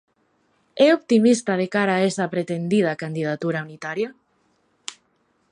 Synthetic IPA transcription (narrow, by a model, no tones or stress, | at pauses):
ɛop̚t̪imist̪að̞ekaɾaːesapɾet̪end̪ið̞akand̪ið̞at̪uɾaunit̪aɾja